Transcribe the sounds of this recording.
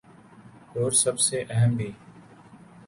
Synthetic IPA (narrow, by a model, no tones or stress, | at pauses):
ɦoːɾsəbseːʔəɦəmbʱiː